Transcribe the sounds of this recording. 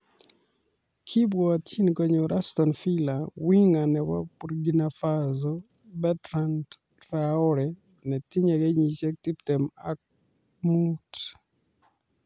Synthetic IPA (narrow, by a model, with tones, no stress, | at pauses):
kʰi˦bwɔa˨tʰji˦nkɔ˨ɲo˨ɾʔastɔnfi˦lawi˦ŋa˨nɛwa̰pu˨ɾɡinafazɔ | bɛtɾand | ɾaɔɾɛ | nɛ˨ti˦ɲa˨ɡɛ˦ɲi˨t͡ʃɛ˦k̚ti˦ptɛ˨mak̚ | mut